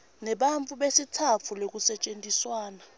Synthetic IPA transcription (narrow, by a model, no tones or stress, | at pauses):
nɛɓaɱt͡fʰʼuɓesitʰat͡fʰulok̬ʼusɛt͡ʃʼentʼiswaːna